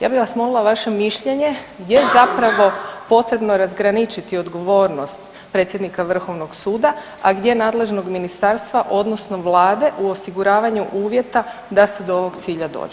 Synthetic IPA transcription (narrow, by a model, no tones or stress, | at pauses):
ja̰ːbiʋasmo̞lilˠaʋaʃe̞miʃʎe̞ɲe̞ | ɡd̪je̞jezapɾaʋo̞po̞t̪ɾe̞bnoɾazɡɾanit͡ʃit̪iod̪ɡo̞ʋo̞ːɾno̞st̪ | pɾe̞t̪sjd̪nikaʋr̩xo̞ʋnoɡsuːd̪a | aɡd̪je̞naːd̪le̞ʒno̞ɡminist̪aɾst̪ʋaʔo̞d̪nosno̞ʋlˠaːd̪e̞ʔuo̞siɡuɾaːʋaɲuʔuːʋje̞t̪ad̪ase̞d̪ooʋo̞ɡt̪siːʎad̪o̰ːd͡ʒe